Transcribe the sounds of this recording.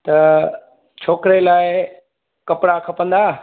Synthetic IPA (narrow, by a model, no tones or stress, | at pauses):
t̪ɐ | t͡ɕʰoːkɾelaːɪ | kɐpɽakʰɐpə̃nd̪aː